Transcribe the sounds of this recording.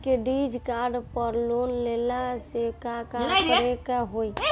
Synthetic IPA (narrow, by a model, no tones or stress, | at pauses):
keɖid͡ʒkaɾɖpəɾlonlelasekakamkəɾekaɦoi